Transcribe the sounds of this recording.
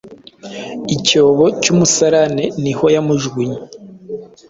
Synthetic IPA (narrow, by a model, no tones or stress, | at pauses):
icoːβo̞cumusaɾaneniho̞jamuʒɡiɲe